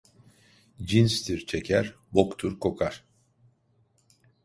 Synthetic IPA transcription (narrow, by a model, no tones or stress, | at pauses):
d͡ʒinst̪ʰiɾt͡ʃʰecʰæɾ | bokt̪ʰuɾkʰo̞kʰaɾ̥